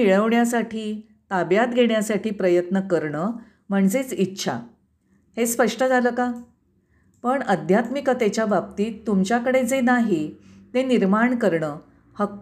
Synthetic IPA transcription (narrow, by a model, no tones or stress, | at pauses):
iɭəʋɳjas̬aʈiː | t̪abjat̪ɡʱeɳjasaʈiːpɾəjət̪nəkəɾɳə | m̤əɳd͡zet͡sitːɕʰa̰ | hespəʂʈəd͡zʱaləːka | pəɳəd̪ʱjat̪mikət̪et͡ɕjabap̚t̪iːt̪ːumt͡ɕjakəɽed͡zenaɦit̪eniɾmaɳkəɾɳəː | hək